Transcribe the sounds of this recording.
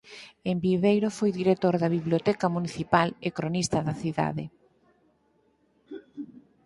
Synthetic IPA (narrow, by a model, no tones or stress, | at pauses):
embiβejɾofojðiɾek̚t̪oɾðɐβiβljot̪ɛkɐmuniθipalekɾonist̪ɐðɐθiða̰ðe